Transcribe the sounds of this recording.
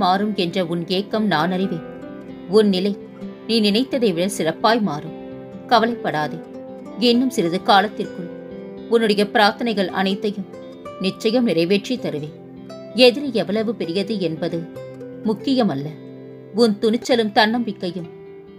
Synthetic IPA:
maːɾɯmɛndrɐʊneːkːɐmnaːnɐɾɪʋeːn | ʊnnɪlɐɪ | niːnɪnɐɪt̪ːɐðɐɪʋɪɽɐsɪrɐpːaːjmaːɾɯm | kɐʋɐlɐɪpːɐɽaːðɯ | ɪnːɯmsɪɾɐðɯkaːlɐt̪ːɪrkɯm | ʊnːɯɽɐjɐpɪɾaːɾt̪ɐnɐɪɣɐɭʔɐ̰nɐɪt̪ːɐjɯm | nɪt͡ʃːɐjɐmnɪɾɐɪʋeːʈrit̪ːɐɾɯʋeːn | ɛðɪɾɯɛʋɐlɐʋɯpɛɾɪjɐðɯɛnbɐðɯ | mʊkːɪjɐmɐlːɐ | ʊnt̪ʊnɪt͡ʃːɐlɯmt̪ɐnːɐmʋɪkːɐjɯm

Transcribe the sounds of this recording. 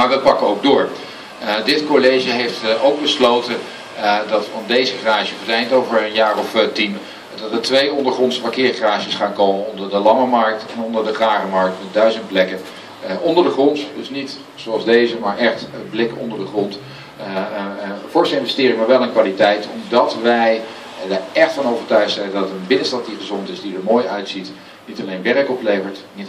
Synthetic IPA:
maːɹʋəpɑkəowɡ̚dʊːɹ | dɪtkolejʒəɦejftowɡ̚bəslowtən | dɑtfɑndejzəχraːʒəɔətɛjntowvəɹənjaːrɔftim | dɑtʋətʋejɔndəɹχrɔntspakɪːɹχraːʒəsχaːnkowmənɔndəɹdəlɑməmɑɹk̚tɛnɔndəɹdəχraːχəmɑɹk̚tmɛt̚dœɥzənt̚plɛkə | ʔɔndəɹdəχrɔntdɵsnit | soɑlˠzdejzəmaːɹʔɛχtblɪkɔ̰ndəɹdəχrɔnt | fɔɹstɪnvəstɪːɾɪŋəmaːɹʋɛlˠənkʋaːlitɛjtɔmdɑtʋɛj | dɛχtfɑnowvəɹtœɥχsɛlədɑtənbɪnənstɑt̚diχəzɔntɪsdidəɹmoːjœɥtsit | nitɑlejnʋɛrəkɔplejvəɹtnit

